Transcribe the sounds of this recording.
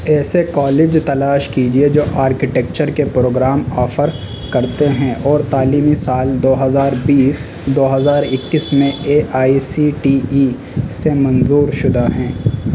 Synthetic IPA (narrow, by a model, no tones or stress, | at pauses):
ɛːsekɔːleːd͡ʒt̪ɐlaːʃkiːd͡ʒied͡ʒoːʔaːɾkɪʈɛk̚t͡ʃəɾkepɾoːɡɾaːmɔːfʰəɾ | kɐɾt̪eɦɛ̃ʔɔːɾt̪aːliːmisaːld̪oːɦɐzaːɾbiːs | d̪oːɦɐzaːɾɪkːismẽeːʔaːisiʈii | semɐ̃nzuːɾʃʊd̪aɦɛ̃ː